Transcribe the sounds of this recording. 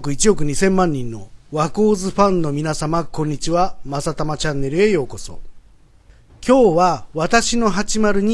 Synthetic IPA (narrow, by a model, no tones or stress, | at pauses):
kɯ̟it͡ɕio̞k̬ɯ̟ɲ̟isẽ̞mːãɲ̟ːĩnːo̞̰βakoːzɨɸãnnːo̞mʲinasamakõ̞ɲ̟ːit͡ɕiβamasat̪amat͡ɕãnːe̞ɾɯe̞jo̞ːko̞so̞̰ | kʲo̞ːβaβat̪aɕino̞ɦat͡ɕimaɾɯ̟ɲ̟i